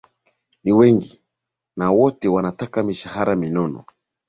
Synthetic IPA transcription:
niwɛŋɡi | nawɔtɛwanatakamiʃahaɾʔaminɔnɔ̰

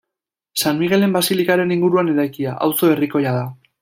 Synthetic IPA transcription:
sanmiɣe̞le̞mbasilikaɾe̞niŋɡuɾuaneɾajkiaʔa̰wso̞e̞riko̞jað̞a

